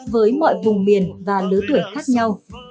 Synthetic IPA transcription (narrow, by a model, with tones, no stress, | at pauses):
vəː˨˦jmɔ̰˧˨jvʊ˨˩ŋ͡mmi˨˩ənvaː˨˩lɨ˨˦t̪ɨ˧˩əjxaː˦˥k̚ɲa˧w